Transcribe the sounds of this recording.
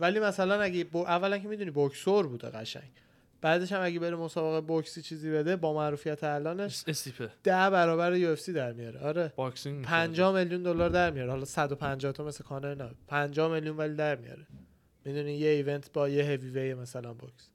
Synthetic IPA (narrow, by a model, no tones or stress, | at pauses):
vælimæsælænæɟeboʔævːælæŋcʰemid̪unibokʰsoɾbuːd̪ḛɣæʃæ̰ɲ | b̥æːd̪e̞ʃæmæɟebe̞ɾemo̞sɒːbeɣeboksiːt͡ʃʰiːziːbe̞d̪ebɒːmæɾuːfijæt̪ʰeælɒːne̞ʃsipʰed̪̥æʔbæɾɒːbæɾejuefsiːd̪æɾmijɒɾeʔɒɾebɒksiipʰænd͡ʒɒːhme̞ljund̪olɒːɾd̪æɾmijɒːɾehɒlɒsæd̪opʰænd͡ʒɒːht̪ɒme̞slekʰɒːneenæb̪pʰænd͡ʒɒːhme̞ljunvælid̪æɾmijɒ̰ɾe | mid̪unijeive̞nt̪ʰbɒːjeɦevivejemæsælænboksi̥